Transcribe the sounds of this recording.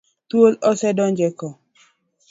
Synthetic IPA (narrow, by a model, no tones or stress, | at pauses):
t̪wolɔsɛdɔnd͡ʒɛkɔ